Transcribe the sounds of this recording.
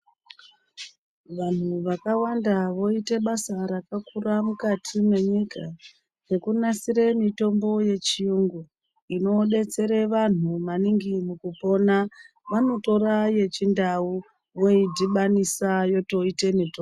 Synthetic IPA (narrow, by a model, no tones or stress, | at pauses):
ʋan̤uuʋakawandaʋo̞ite̞ɓasaɾakakuramukatʰimwe̞ɲika | je̞kunasiɾe̞mito̞mbo̞je̞t͡ʃijuŋɡu | ino̞ɗe̞t͡se̞ɾe̞ʋan̤umaniŋɡimukupo̞na | ʋano̞to̞ɾaje̞t͡ʃindau | wo̞idʱiɓanisajo̞to̞ite̞mito